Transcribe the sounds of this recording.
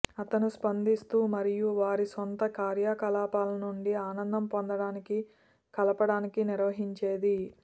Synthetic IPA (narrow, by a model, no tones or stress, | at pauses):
ɐt̪ɐnuspɐnd̪ist̪uːmɐɾijuʋaːɾisont̪ɐkaːɾjaːkɐlaːpaːlɐnuɳɖiaːnɐnd̪ɐmpond̪ɐɽaːniki | kɐlɐpɐɽaːnikiniɾʋɐɦiɲt͡ʃe̞ːd̪i